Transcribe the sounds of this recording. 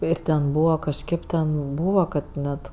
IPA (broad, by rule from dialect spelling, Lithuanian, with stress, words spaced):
ˈɪr tʲɛn ˈbuːʋɐ kɐʃʲˈkʲeːp tʲɛn ˈbuːʋɐ ˈkɐt ˈnʲɛt